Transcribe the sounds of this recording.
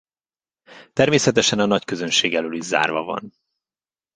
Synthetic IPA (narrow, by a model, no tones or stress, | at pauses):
t̪ɛrmeːsɛt̪ɛʃɛnɒnɒckø̞zønʃeːɡɛløːliʒza̰ːrvɒvɒ̰n